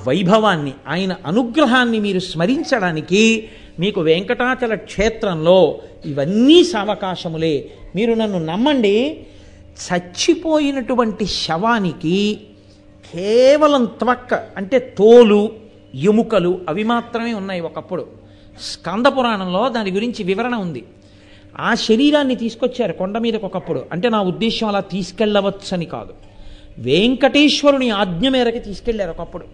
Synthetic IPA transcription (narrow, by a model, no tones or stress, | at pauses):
ʋɐjbʱɐʋaːnːiaːjɐnɐʔɐnuɡɾɐɦaːnːimiːɾusmɐɾiɲt͡ʃɐɽaːniki | miːkuʋɛːŋkɐʈaːt͡ʃɐlɐkʂeːt̪ɾɐmlo̞ːiʋɐnːiːsɐːʋɐkaːʂɐmule̞ːmiːɾunɐnːunɐmːɐɳɖi | t͡ʃʰɐt͡ʃːipoːjinɐʈuʋɐɳʈiʃɐʋaːniki | kʰɛːʋɐlɐmt̪ʋɐkːɐɐɳʈe̞ːt̪oːlu | jemukɐluɐʋimaːt̪ɾɐme̞ːunːaːjiɔkɐpːuɽu | skɐnd̪ʱɐpuɾaːɳɐmlo̞ːd̪aːniɡuɾiɲt͡ʃiʋiʋɐɾɐɳɐund̪i | aːʃɐɾiːɾaːnːit̪iːsu̥kot͡ʃːaːɾukoɳɖɐmiːd̪ɐkɔkɐpːuɽṵʔɐ̰ɳʈe̞ːnaːud̪ːɛːʃɐmɐlaːt̪iːsu̥kɛɭːɐʋɐtsɐnika̰ːd̪u | ʋeːŋkɐʈeːʃʋɐɾuniaːɡɲɐmɛːɾɐkit̪iːsu̥kɛɭːaːɾuɔkɐpːuɽu